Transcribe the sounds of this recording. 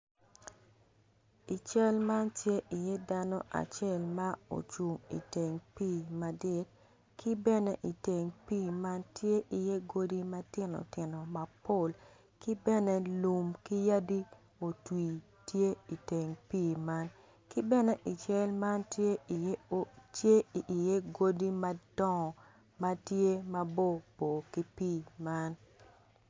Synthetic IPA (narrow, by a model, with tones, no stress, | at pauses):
i˨t͡ʃɛ˦lma˦ntje˦ʔi˨je˦da˦no˦ʔa̰˨t͡ʃɛ˦˨lma˦o̰˨t͡ʃu˨ŋḭ˨te˨ŋpiː˦˨ma˨dɪ˦t̚ | kʰi˦bɛ˦ne˦ʔi˨te˨ŋpiː˦ma˦ntje˦ʔi˨je˦ɡo˦di˦ma˦tɪ˦no̰˨tɪ˨no˨ma˨po˦˨l | ki˦bɛ˦ne˦lu˨mki˦ja˦di˦ | o˨twi˨ | tje˦i˨te˨ŋpiː˦˨ma˦n | ki˦bɛ˦nɛ˦ʔi˨t͡ʃɛ˦lma˦ntje˦˨tje˦˨je˦ɡo˦di˦ma˦dɔ˦ŋ˨ | ma˦tje˦mɐ˦bo˦˨bo˨ki˦piː˦ma˦n